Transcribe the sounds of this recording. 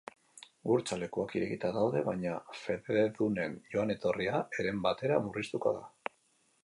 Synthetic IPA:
ɡuɾt͡sale̞kuakiɾe̞ɣit̪aðawð̞e̞βaɲafe̞ðeðune̞njo̞ane̞t̪o̞riae̞ɾe̞mbat̪e̞ɾamurist̪uko̞̰ða̰

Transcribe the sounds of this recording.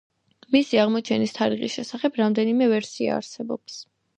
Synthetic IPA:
misiaʁmɔt͡ʃʰɛnist̪ʰaɾiʁisʃɛsaχɛbɾamd̪ɛnimɛvɛɾsia̰ːɾsɛbɔ̰ps

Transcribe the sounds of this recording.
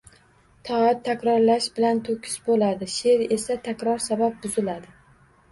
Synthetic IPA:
t̪ʰɒat̪ʰːakʲɾɒɾlaʃbɪlant̪ʰokʲʰɪ̥sbolad̪ɪʃe̞ɾe̞sat̪ʰakʲɾɒɾsabap̚bʊzɪlad̪ɪ

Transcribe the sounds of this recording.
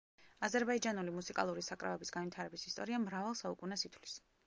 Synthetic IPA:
azɛɾbaid͡ʒanulimusikʼa̰lˠuɾisakʼɾa̰vɛbisɡ̥anvit̪ʰaɾɛbisist̪ʼɔ̰ɾiamɾavalˠsaukʼunɛsit̪ʰvlis

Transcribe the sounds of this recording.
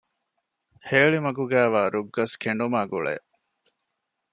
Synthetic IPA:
heːɭimɐɡuɡæːʋaːɾuɡːɐskʰeɳɖumaːɡṵɭḛːʔ

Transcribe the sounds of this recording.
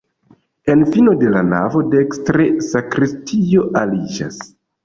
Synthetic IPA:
e̞nfino̞de̞lana̰vo̞dekstɾesakɾistʰio̞ʔalid͡ʒa̰s

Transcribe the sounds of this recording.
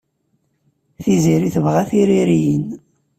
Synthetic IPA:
θiziɾiθəvʁæθiɾiɾijən

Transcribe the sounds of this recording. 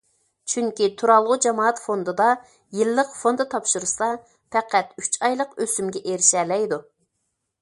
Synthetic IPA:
t͡ʃʰyŋkʲit̪ʰuɾɑlˠʁʊd͡ʒɑmɑːɑt̪fond̪ɨd̪ɑ | jilːəqfond̪ɨt̪ʰɑpʃuɾusɑ | pʰɛqʰæt̪yt͡ʃʰɑjlˠəqøsymɡʲɛʔeɾɪʃɛːlɛjd̪u

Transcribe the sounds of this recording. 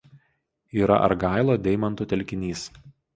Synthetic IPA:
iːɾɐ̰ʔɐ̰ɾɡɑˑɪlˠoːd̪ʲɛɪmɐnt̪ʊˑt̪ʲɛlʲkʲɪnʲiːs

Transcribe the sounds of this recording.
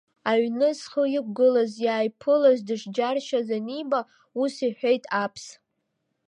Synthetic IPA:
aɥnɨsχəjɪk̚ʷʼɡɨlazjaːjpʰɨlazdɨʂd͡ʒarʃazaniba | usiħʷᶣe̞jtʼapʰs

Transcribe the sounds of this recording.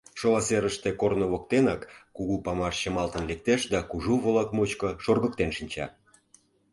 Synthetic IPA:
ʃolɑseɾəʃt̪ekornoβok̚t̪enɑkːuɣupɑmɑʃt͡ɕə̆mɑlt̪ə̆nlek̚t̪eʃd̪ɑkuʒuβolɑkmot͡ɕkɤ̆ʃorɣək̚t̪enʃinʲt͡ɕɑ̰

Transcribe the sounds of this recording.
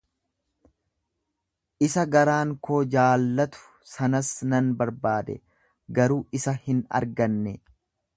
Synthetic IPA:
ʔɪsɐɡɐɾaːŋkoːd͡ʒaːlːɐt̪ʊ̥ | sɐnɐsnɐnbɐɾbaːd̪ɛ̰ | ɡɐɾuːɪsɐhɪnɐ̰ɾɡɐnːɛ

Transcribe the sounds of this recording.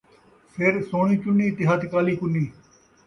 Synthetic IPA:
pʰeɾsoːɳ̃iːt͡ʃʊnːiːt̪ɪɦat̪kaːliːkʊnːiː

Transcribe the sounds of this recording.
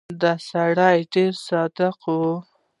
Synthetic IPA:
d̪asaɽajɖeɾsɑd̪ɪqwu

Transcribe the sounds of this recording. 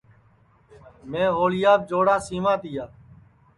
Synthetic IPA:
mẽːɦoːlɪjaːb̚d͡ʒoːɽaːsiːmãːt̪ɪjaː

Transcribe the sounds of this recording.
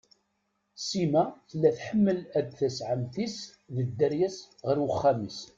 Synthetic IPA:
simæθəlːæθħəmːəlæd̪θæsʕəmt̪is | ðəd̪ːəɾjæs | ʁəɾwəχːæmis

